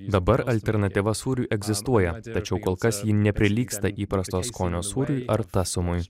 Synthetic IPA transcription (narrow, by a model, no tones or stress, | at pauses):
d̪ɐbɐɾɐlʲt̪ʲɛɾnɐt̪ʲiʋɐsuːɾʲuʔɛɡzʲɪst̪uɔjɛt̪ɐt͡ʃʲɛʊkoːlˠkɐsjiːnʲɛpʲɾʲɪlʲiːkst̪ɐʔiːpɾɐst̪oːskoːnʲoːsuːɾʲujʔɐɾt̪ɑsʲʊmʊj